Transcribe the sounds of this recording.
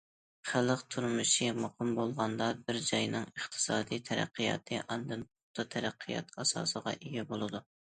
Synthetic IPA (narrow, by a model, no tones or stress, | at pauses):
χæləqt̪ʰuɾmuʃimɑqʰʊmbolˠʁɑnd̪ɑbɪɾd͡ʒɑjnɨŋəχt̪ʰɨ̥sɑːd̪ijt̪ʰɛɾæ̰qʰːɨjɑ̰ːq̪ʰɨʔɑnd̪ɨnpʊt̪ʰːɑt̪ʰɛɾæqʰːɨjɑ̰t̪ɑsɑ̰ːsəʁɑ̰ʔeɡʲɛbolˠɨd̪u